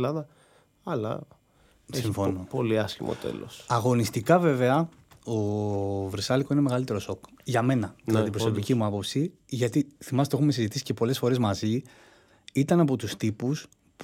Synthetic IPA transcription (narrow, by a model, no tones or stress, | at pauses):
lɐðɐ | ɐlɐ̰ | siɱfo̞nopoliɐscimʔo̰t̪ḛlo̰sɐɣo̞nist̪ikɐve̞ve̞ɐ | o̞veɾsɐliko̞ineme̞ɣɐlit̪e̞ɾo̞so̞kʝɐme̞nɐðilɐðiːpɾoso̞picimuɐpo̞psi | ʝɐt̪iθimɐst̪e̞xumesizit̪isi̥cepo̞lesfo̞ɾe̞zmɐzi | it̪ɐnɐpo̞t̪ust̪ipus | p